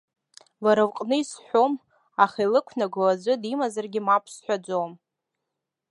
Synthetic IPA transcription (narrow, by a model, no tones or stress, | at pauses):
laɾawqʼnɨisħʷᶣom | aχalɨkʷʰnaɡʷalazʷɨdimazarɡʲɪmapʰsħʷᶣad͡ʒʷom